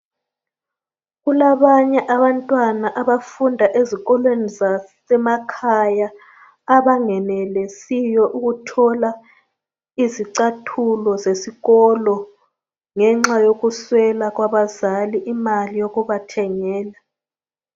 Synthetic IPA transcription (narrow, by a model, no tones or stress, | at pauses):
ɣulaβaɲɛʔaβantʼwanaʔaβafundʱaʔeziɣɔlwenizasɛmakʰajaː | βaŋɛnɛlɛsijɔʔuɣutʰɔla | iziǀatʰulɔzesiɣɔlɔ | ŋɛŋ͡ǁajoɣuswɛlaɣwaβazaliʔimalijoɣuβatʰɛŋɛːla